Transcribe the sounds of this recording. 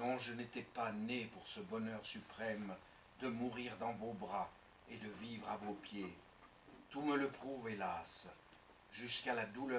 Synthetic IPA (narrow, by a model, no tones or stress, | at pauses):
nɔ̃ʒənet̪ɛpanepuʁsəbɔnœʁsypχɛm | d̪əmuʁiʁd̪ɑ̃vobʁa | ed̪əvivʁavopje | t̪umələpχuvelas | ʒyskalad̪ulœ